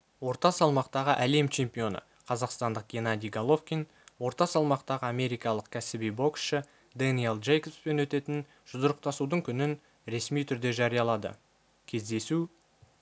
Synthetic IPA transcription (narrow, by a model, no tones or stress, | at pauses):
wo̞ɾt̪ɑsɑlˠmɑqt̪ɑʁəʔæle̞mt͡ʃʰe̞mpʲijo̞nə̰ | qʰɑzɑqst̪ɑnd̪əq̚ɡʲenɑd̪ʲijɡalˠo̞fkʲin | wo̞ɾt̪ɑsɑlˠmɑqt̪ɑʁəɑmʲe̞ɾijkɑlˠəq̚kʲʰæsɪbijbo̞ksʃə | d̪anijelˠʒejkʲepspe̞nwɵt̪e̞t̪ɪn | ʒ̥ʊzəɾəq̚t̪ɑsud̪əɴkʲʰʏnɪn | ɾe̞smijt̪ʰʏɾd̪e̞ʒɑɾijɑlˠɑd̪ə̰ | kʲʰe̞zd̪e̞su